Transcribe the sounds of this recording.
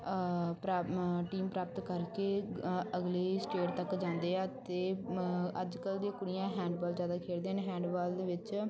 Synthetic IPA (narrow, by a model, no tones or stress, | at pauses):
pɾaʈiːmpɾaːpət̪kəɾkeːəɡleːsʈeːʈt̪əkd͡ʒãːnd̪eːɛːt̪eːəd͡ʒkəld̪eːkʊɽɪjãːɦɛ̃ːɳɖbɔːld͡ʒjaːd̪aːkʰeːld̪eːɦnːɦɛ̃ːɳɖbaːld̪eːʋɪt͡ʃ